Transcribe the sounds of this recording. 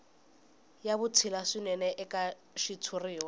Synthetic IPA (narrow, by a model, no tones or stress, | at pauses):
jabʊt͡sʰilasɪnɛnɛʔɪkʼa | ʃitʰuriːwa